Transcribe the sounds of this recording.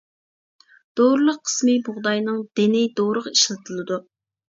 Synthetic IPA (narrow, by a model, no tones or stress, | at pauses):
d̪̥oɾɨlˠəqʰːə̥smɨbʊʁd̪ɑjnɨŋd̪ɪnɪd̪oɾəʁiʃlɨt̪ʰɨlˠɨd̪u